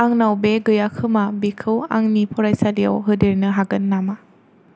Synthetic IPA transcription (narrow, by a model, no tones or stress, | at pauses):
aŋnawbeɡɯjakʰɯmabikʰɯwa̰ŋnipʰɔɾajsalija̰wɦɯdeɾnɯɦaɡɯnːama